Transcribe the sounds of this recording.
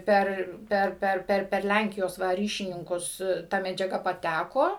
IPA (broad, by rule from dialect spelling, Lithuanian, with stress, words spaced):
ˈpʲɛr ˈpʲɛr ˈpʲɛr ˈpʲɛr pʲɛr ˈlʲæŋʲkʲɪjoːs ˈʋɐ ˈrʲiːʃʲɪnʲɪŋkʊs ˈtɐ mʲɛd͡ʒʲɛˈɡɐ pɐˈtʲækoː